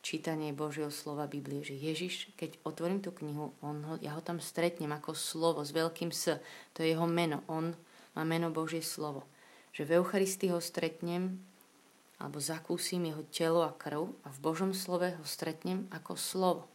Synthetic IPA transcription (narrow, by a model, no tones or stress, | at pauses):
t͡ʃiːt̪aɲɪɛbɔʒɪjɛɦɔslɔʋabibliɛʒɛjɛʒiʃkɛɟɔt̪ʋɔɾiːmt̪uːkɲiɦuɔnɦɔja̰ɦɔt̪amst̪ɾɛt̪ɲɛmakɔslɔʋɔzʋɛʎkiːmsət̪ɔjɛjɛɦɔmɛnɔʔɔnmʔaːmɛnɔbɔʒɪɛslɔʋɔʒ̥ɛvɛʊxaɾist̪iɦɔst̪ɾɛt̪ɲɛm | a̰lɛ̰bɔzakuːsimjɛɦɔcɛlɔakr̩ʊavbɔʒɔmslɔʋɛɦɔst̪ɾɛt̪ɲɛmakɔslɔʋɔ